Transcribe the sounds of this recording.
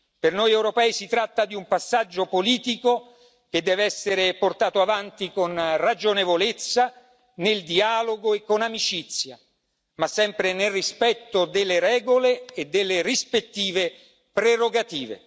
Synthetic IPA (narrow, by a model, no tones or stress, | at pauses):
pernojɛwɾopɛːisit̪ɾat̪ːad̪iumpasːad͡ʒːopoliːt̪iko | k̟ed̪ːɛːveɛsːeɾeport̪aːt̪oavant̪ikonrad͡ʒonevolet̪sːa | neld̪iaːloɡoekːonamit͡ʃit̪sːja̰ | masːɛmpɾenelrispɛt̪ːod̪elːeɾɛːɡoleːd̪elːerispet̪ːiːve | pɾeroɡat̪iːvḛ